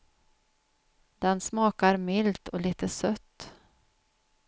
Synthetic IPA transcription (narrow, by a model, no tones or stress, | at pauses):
d̪̥ɛnsmɑːkaɾmɪlt̪ʰɔliːt̪əsœt̪ː